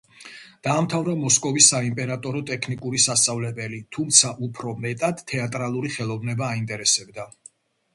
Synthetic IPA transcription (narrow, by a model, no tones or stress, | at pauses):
d̪̥aːmt̪ʰavɾamɔskʼɔvisːaimpʼɛɾat̪ʼɔɾɔt̪ʼɛkʰnikʼuɾisast̪sʼavlɛbɛlit̪ʰumt̪sʰaʔupʰɾɔmɛt̪ʼad̪̥t̪ʰːɛat̪ʼɾalˠuɾiχɛlˠɔvnɛbaːint̪ʼɛɾɛsɛbd̪a